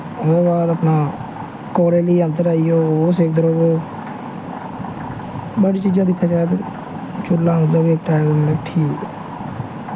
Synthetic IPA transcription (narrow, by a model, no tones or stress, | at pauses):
eːbaːd̪əpnaː | koːɾeːliːə̃nt̪əɾaːijoːoseːk̚d̪əɾoːboː | baːɽiːt͡ʃiːd͡ʒãːd̪ɪkʰːaːt͡ʃaːt̪e | t͡ʃʊlːãːsloːɡeːk̚ʈaːɡəəkʈʰiːk